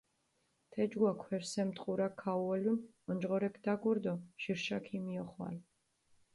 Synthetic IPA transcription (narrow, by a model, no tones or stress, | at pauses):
t̪ʰɛd͡ʒɡwakʰwɛɾsɛmt̪ʼqʼuɾakʰːauɔlun | ɔnd͡ʒʁɔɾɛkʰd̪̥aɡɔɾd̪ɔʃiɾʃakʰimiɔχwa̰l